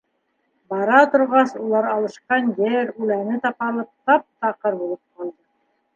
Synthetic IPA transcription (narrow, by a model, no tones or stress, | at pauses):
bɑɾɑt̪ŏɾʁɑsulˠɑɾɑlˠɤ̆ʃqɑnjɘɾʉlænɘt̪ɑpɑlˠɤp̚t̪ɑp̚t̪ɑqɤɾbulˠɤp̚qɑlˠd̪ɤ